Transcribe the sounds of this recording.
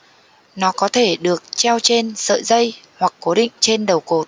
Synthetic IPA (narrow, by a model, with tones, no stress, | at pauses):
nɔ˨˦kɔ˨˦t̪ʰe˧˩ɗɨ˨˩ək̚t͡ɕɛ˧wt͡ɕe˧nsə̰ː˧˨jzə˧jhwa˨˩kːo˨˦ɗḭ̈˧˨ŋ̟t͡ɕe˧nɗə˨˩wko˨˩t̚